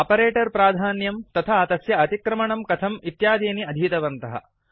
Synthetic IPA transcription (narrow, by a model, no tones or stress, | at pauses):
ɐpɐɾeːʈɐɾpɾaːd̪ʱaːnjɐmt̪ɐt̪ʰaːt̪ɐsjɐɐt̪ikɾɐmɐɳɐmkɐt̪ʰɐmit̪jaːd̪eːniɐd̪ʱiːt̪ɐʋɐnt̪ɐɦɐ̰